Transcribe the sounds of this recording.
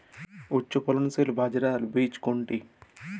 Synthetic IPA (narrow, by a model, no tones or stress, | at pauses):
ut͡ʃːupɐlunselubʱaːd͡ʒɐɾaːlubiːt͡ʃkoɳʈi